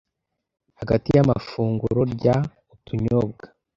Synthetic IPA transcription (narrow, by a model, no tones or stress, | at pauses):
haɡatijama̰fuːŋɡuɾoɾɟa | utʰuɲob̚ɡa